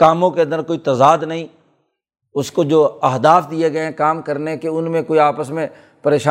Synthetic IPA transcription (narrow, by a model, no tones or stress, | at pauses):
kaːmõkeɐ̃nd̪əɾkoːit̪ɐzaːd̪nɐɦĩː | ʊskod͡ʒoːɐɦd̪aːfd̪ieɡɐeẽkaːmkəɾnekeʊnmẽkoːiaːpəsmẽ | pəɾeːʃaː